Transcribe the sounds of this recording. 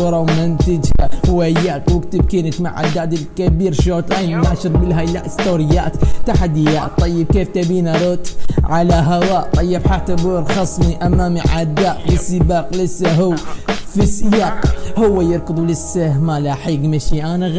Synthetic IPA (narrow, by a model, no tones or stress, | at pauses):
ɾˤamɪnt̪ɪd͡ʒahwajaːqwɪkt̪ɪb̚kɪnɪt̪ma̰ʕʔa̰d̪aːʔd̪ɪlkabiːɾʃoːt̪lajnnaːʃɨɾˤbɪlɦajlaʔɪst̪oːɾɪjːa̰ːt̪t̪ːaħad̪ɪjaːt̪ˤːɑjːɪb̚keːft̪abiːnaɾʊt̪ʕalaɦawaːʔt̪ˤɑjːɪbħat̪ːabuːɾxɑsˤmiʔamːaːmiʕad̪ːaːʔlɪsɪbaːqlɪsːaɦuwfisjaːqhʊwːajɪɾkʊd̪ˤulɪsːahmalaħiːɡmaʃiʔaːnaɣ